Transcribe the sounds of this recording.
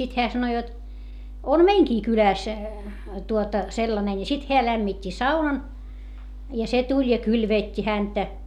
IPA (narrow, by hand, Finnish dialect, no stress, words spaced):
sit heæ sɑno jot om meiŋkiː kylæˑs tuotɑ selːɑne ni sit heæ læmːitʲːi sɑunɑn jɑ se tulʲ jɑ kylʋeˑtʲːi hæntæ